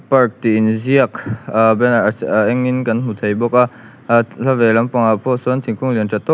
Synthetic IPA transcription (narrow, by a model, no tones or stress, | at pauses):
paɹk̚t̪iinziəkbɛnʔɛŋːinkɐnɦut̪ʰejbɔka | lavɛlampɔŋapʰɔsunt̪ʰiŋkuŋliənt͡ʃat̪ɔ